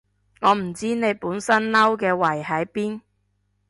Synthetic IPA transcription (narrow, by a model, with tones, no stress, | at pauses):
ŋɔː˨˧m̩˨˩t͡siː˥ne˨˧jpuː˨˥nsɐ˥nnɐ˥wkɛː˧wɐ˨˩jhɐ˨˥jpiː˥n